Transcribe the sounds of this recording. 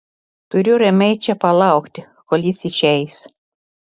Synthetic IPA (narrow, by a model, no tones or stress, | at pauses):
t̪ʊɾʲʊɾʲɛmʲɛɪt͡ʃʲɛpɐlˠɑˑʊkt̪ʲɪ | kolʲjɪsɪʃʲɛɪs